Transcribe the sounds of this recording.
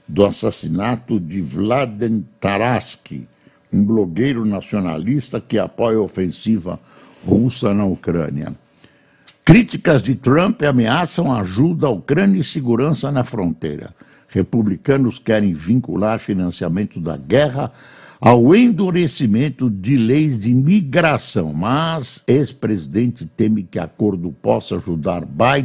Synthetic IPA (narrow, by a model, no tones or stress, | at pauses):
d̪ʊasasinat̪ʊd͡ʒ̪ɪvlad̪ẽnt̪aɾaskḭ | ũbloɡejɾʊnasiona̰list̪ɐkɪapɔjɐofẽsivɐ̰ | husɐnɐukɾɐ̰̃niɐ̰ | kɾit͡ʃ̪ikɐzd͡ʒ̪ɪt̪ɾɐ̃mpɪameasɐ̃w̃ɐaʒud̪ɐaukɾɐ̃njɐisɪɡuɾɐ̃sɐnɐfɾõnt̪ḛjɾɐ̰ | hepublikɐ̃nʊskɛɾẽj̃vĩŋkṵlaɾfinɐ̃siamẽnt̪ʊd̪ɐ̰ɡɛʁɐ | awẽnd̪uɾesimẽnt̪ʊd͡ʒɪlejzd͡ʒɪmiɡɾasɐ̰̃w̃mɐzespɾezid̪ẽnt͡ʃ̪ɪt̪ẽmɪkɪa̰koɾd̪ʊpɔsɐaʒud̪aɾbaj